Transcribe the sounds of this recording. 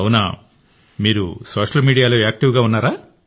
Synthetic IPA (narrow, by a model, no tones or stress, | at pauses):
wunaː | miːɾṵsoːʂɐlmiːɽijaːloːaːk̚ʈiʋɡaːunːaːɾaː